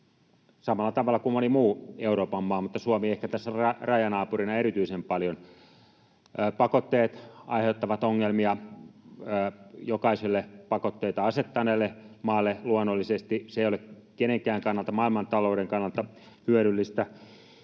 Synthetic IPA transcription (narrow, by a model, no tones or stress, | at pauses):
sɑmɑlːˑɑt̪ɑʋɑlːˑɑkummonimuːeuroːpɑmːɑːmut̪ːɑsuomiehkæt̪æsːærɑrɑjɑnɑːpurinɑeɾit̪yisempɑljon | pɑkot̪ːeːt̪ɑ̰iheut̪ːɑʋɑt̪oŋːelmiɑː | jokɑisilːepɑkot̪ːeit̪ɑɑset̪ːɑneːlːemɑːlːeluonːolːisest̪iseˑijolek | keneŋkæːŋkɑnːɑlt̪ɑmɑˑilmɑnt̪ɑloˑuɾeŋkɑnːɑlt̪ɑ | hyøɾylːist̪æ